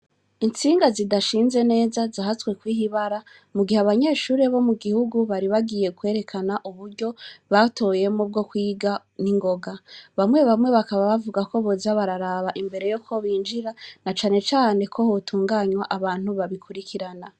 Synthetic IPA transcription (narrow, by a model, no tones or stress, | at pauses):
int͡siːŋɡazidaʃiːnze̞ne̞ːzazaɦaswe̞kwiːɦiβaɾa | muɡiheaβaɲe̞ːʃuːɾe̞βo̞muɡihuɡuβaɾiβaɡiːje̞kwe̞ːɾe̞kʰanaʔuβuɾɟoβatʰo̞je̞mob̚ɡo̞kwiːɡa | niŋɡo̞ɡaβamŋe̞βamŋe̞βakaβaβavuɡako̞βozaβaɾaɾaβaʔimbe̞ɾe̞jokʰo̞βiːnd͡ʒiɾanat͡ʃaːne̞t͡ʃaːne̞kʰo̞hotʰuːŋɡaːɲwaʔaβaːn̥huβaβikʰuɾikʰiɾana